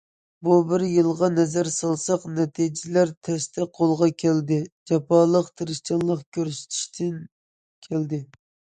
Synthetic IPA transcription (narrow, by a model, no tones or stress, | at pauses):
bubɪɾjɨlˠʁɑnɛzæɾsɑlˠsɑqnɛt̪ʰid͡ʒɪlæɾt̪ʰɛst̪ʰɛqʰolˠʁɑkʲʰæld̪ɪd͡ʒɑpɑlˠəqt̪ʰɨɾɨʃt͡ʃɑnlˠəqkʲʰøɾsy̥t̪ʰi̥ʃt̪ʰɪn | kʲʰæld̪ɪ